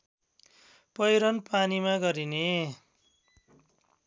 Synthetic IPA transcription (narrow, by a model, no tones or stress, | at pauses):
pʌjɾʌnpanimaɡʌɾine